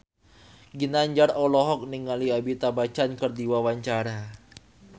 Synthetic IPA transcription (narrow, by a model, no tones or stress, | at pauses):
ɡinaɲd͡ʒarɔlɔɦɔk̚niŋaliabit̪abat͡ʃankɨrdiwawaɲt͡ʃaɾa